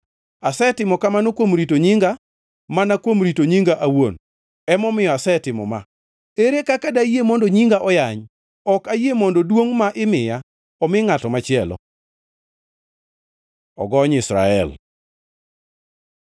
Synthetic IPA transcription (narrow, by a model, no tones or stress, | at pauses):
asɛtɪmɔkamanokwomɾitoɲiŋɡa | manakwomɾitoɲiŋɡaʔawon | ɛmɔmɪjɔasɛtɪmɔ̰ma | eɾekakadajemɔndɔɲiŋɡaʔɔjaɲ | ɔkajemɔndɔdwoŋmaʔɪmɪja | ɔmɪŋatɔmat͡ʃɪɛlɔ̰ | ɔ̰ɡɔɲɪsɾa̰ɛ̰l